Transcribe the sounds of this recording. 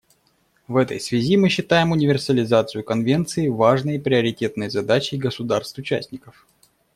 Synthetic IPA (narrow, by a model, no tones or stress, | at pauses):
vɛt̪ə̰jsvʲɪzʲimɨɕːɪt̪ajɪmʊnʲɪvʲɪrsəlʲɪzat̪sɨjʊkɐnvʲe̞nt̪sɨɪvaʐnəjpɾʲɪəɾʲɪtʲe̞t̪nəjzɐd̪at͡ɕɪɡəsʊd̪arst̪vʊt͡ɕæ̰sʲtʲnʲɪkəf